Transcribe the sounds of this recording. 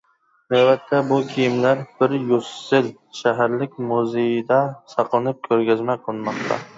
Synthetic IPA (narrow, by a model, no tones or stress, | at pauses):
nawbat̪ʰːabʊkʲʰijɪmlaɾb̥ɪɾjosɪl | ʃaɦaɾlɪkʲmuzejɪd̪asɑqlˠɪnɪp̚kʲʰɵɾɡʲazmaqʰlˠɨnmɒq̚t̪ʰa̰